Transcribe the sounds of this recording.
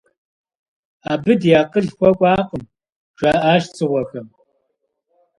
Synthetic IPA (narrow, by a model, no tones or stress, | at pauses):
aːbɨdjaːqəɮxʷɔkʷʼɑːqʼəm | ʈ͡ʂaːʔaːʃt͡sʰʼɨʁʷɔxɐm